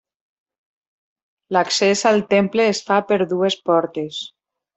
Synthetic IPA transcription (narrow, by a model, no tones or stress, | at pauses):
laksezalˠt̪empleːsfapeɾðuespɔɾt̪es